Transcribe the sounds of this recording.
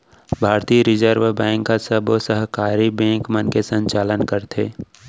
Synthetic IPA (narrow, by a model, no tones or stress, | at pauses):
bʱaːɾt̪ijəɾɪd͡ʒəɾʋbɛ̃ːŋkasəbosəɦkaːɾibɛ̃ːŋkmənkesə̃ɲt͡ʃaːlənkəɾt̪ʰḛː